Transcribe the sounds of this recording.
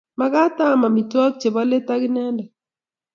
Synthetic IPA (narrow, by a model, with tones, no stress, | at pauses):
ma˦ɡa˦ta˦ma˨mi˨twɔ˦k̚t͡ʃe˨ba˦le˦ta˦ɡɪ˦nɛ˦ndɔ˨